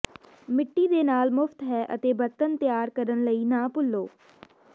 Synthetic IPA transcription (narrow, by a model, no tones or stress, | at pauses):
mɪʈːiːd̪eːnaːlmʊpʰt̪ɦɛːʔə̰t̪eːbəɾt̪ənt̪jaːɾkəɾənləiːnãːpʊlːoː